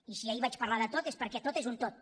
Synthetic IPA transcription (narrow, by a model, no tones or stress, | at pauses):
isiaiβat͡ʃpəɾlaðət̪ot̪espəɾkɛt̪ot̪ezunt̪ot̪̚